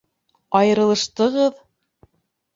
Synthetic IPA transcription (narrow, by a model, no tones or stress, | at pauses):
ɑjɤ̆ɾɤ̆lˠɤ̆ʃt̪ɤ̆ʁɤð